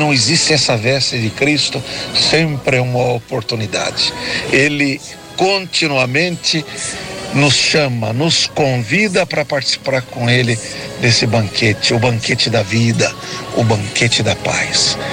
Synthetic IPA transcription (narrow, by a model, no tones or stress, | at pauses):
nɐ̃w̃ɪzist͡ʃɪɛsɐvɛst̪ɪd͡ʒɪkɾist̪ʊsẽmpɾɪɛũmɐopoɾt̪unid̪a̰d͡ʒɪelɪ | kõnt͡ʃ̪inuɐmẽnt̪ɪ | nʊsʃɐ̃mɐ̰nʊskõvid̪ɐpɾɐpaɾt͡ʃi̥si̥paɾkõelɪ | d̪esɪbɐ̃ŋkʰet͡ʃɪʊbɐ̃ŋket͡ʃɪd̪ɐvid̪ɐ | ʊbɐ̃ŋket͡ʃɪd̪ɐpa̰js